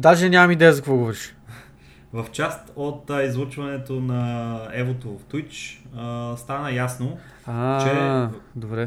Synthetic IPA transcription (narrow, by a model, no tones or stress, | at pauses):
d̪aʒɛnʲamɐmid̪ɛjɛzɐkvoɡovɾiʃ | vɐft͡ʃast̪ot̪izlˠot͡ʃvɐnɛt̪onɐɛvot̪ovft̪ujt͡ʃəst̪anəjasno | at͡ʃɛd̪obɾɛ